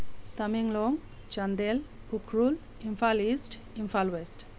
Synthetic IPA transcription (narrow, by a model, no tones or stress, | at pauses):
t̪ɐmiŋloŋ | t͡ʃɐnd̪el | ukɾul | imfʰaːliːsʈ | imfʰaːlwesʈ